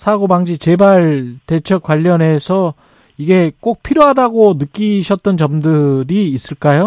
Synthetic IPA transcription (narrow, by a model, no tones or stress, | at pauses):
sʰaɡobaŋd͡ʑit͡ɕe̞baɭte̞t͡ɕʰʌk͈waʎːʌne̞sʰʌ | iɡe̞k͈ok̚pʰiɾjoɦadaɡonɯk͈iɕʰʌt̚t͈ʌnt͡ɕʌmdɯɾiːs͈ɯɭk͈ajo